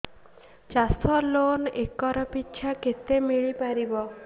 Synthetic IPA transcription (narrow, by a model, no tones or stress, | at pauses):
t͡ʃasɔlonekɔɾɔpitːt͡ʃʰaket̪emiɭipaɾibɔ